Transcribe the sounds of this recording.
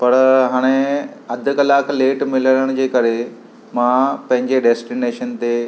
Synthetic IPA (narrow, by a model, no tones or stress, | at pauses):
pɐɾɦaːɽ̃eɐd̪ʱʊkɐlaːkʰleːʈmɪləɽəɽ̃d͡ʑeːkɐɾe | mãpɐ̃ɦɪ̃ɲd͡ʑeɖɛːsʈineːʃənt̪e